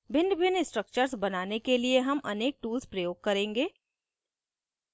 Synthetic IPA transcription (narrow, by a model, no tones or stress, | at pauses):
bɪ̃ɳɖbɪnɪsʈɾək̚t͡ʃəɾzbɐnaːnekelieɦɐmʔɐneːk̚ʈuːlzpɾɐjoːɡ̚kɐɾẽːŋɡeː